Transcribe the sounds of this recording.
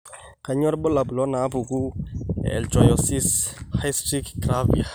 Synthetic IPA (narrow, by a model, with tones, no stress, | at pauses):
ka˨ɲɔ˦ɾbɔ˦la˨blɔ˨˦na˨˦bu˨ɡu˦ɛ̰lt͡ʃɔ˨jɔ˨si˦shajstɾi˦kkɾavḭ